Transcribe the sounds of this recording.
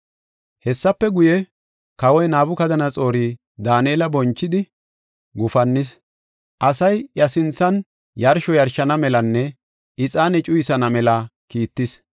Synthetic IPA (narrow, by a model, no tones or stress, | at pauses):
hɛsːɐpːɛɡʊjɛ | kɐwɔjnaːbʊkɐd̪ɐnɐt͡sʼo̞ːɾiː | d̪aːneːlɐbɔnt͡ʃːɪd̪ɪ | ɡʊfɐnːɪs | ʔɐsɐjjɐsɪnt͡sːɐn | jɐɾʃɔjɐɾʃɐnɐmɛlɐnːɛ | ɪt͡sʼaːnɛt͡ʃʼʊjsɐnɐmɛlɐkiːt̪ːɪs